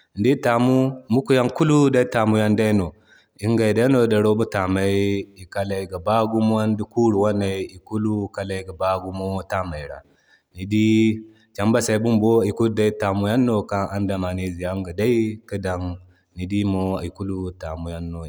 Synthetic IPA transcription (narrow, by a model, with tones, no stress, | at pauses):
n˦di˦ta˨mu˦mu˦ku˨˦ja˦ŋku˦lu˦da˦i˦ta˨mu˦ja˦nda˦no˨ | i˦ŋɡa˨da˦no˦da˨ɾo˦bu˦ta˨ma˨i˦i˨ka˦la˨i˨ɡa˨ba˦ɡu˦m˦a˦n˦di˦ku˦ɾu˨wa˦nːa˨i˨˦i˨ku˦lu˦ka˨˦la˨i˨ɡa˨ba˦ɡu˦mo˦ta˦ma˨i˨ɾa̰˨ | ni˨di˦ | t͡ʃa˨mba˦sa˨i˨bu˦mbo˦i˨ku˦lda˦i˦ta˨mu˨˦ja˦nːo˦ka˦ʔa˦nda˨ma˨ne˦zi˨ja˦ŋɡa˨da˦i˦ki˦da˨ŋ | ni˨di˦mo˦ḭ˨ku˦lu˦ta˨mu˨ja˦nːo˨